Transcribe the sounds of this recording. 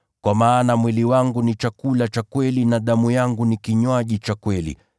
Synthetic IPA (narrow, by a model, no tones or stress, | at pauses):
kwamaːnamwiliwaŋɡunit͡ʃakulat͡ʃakwɛlinaɗamujaŋɡunikiɲwaʄit͡ʃakwɛlḭ